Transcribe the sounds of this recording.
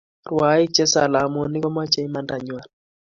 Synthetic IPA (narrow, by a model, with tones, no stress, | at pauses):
rwa˨˦i˦t͡ʃɛ˦sa˨la˨˦mɔ˨ni˦kɔ˦ma˦t͡ʃɛ˦i˦ma˦nda˨ɲwa˨n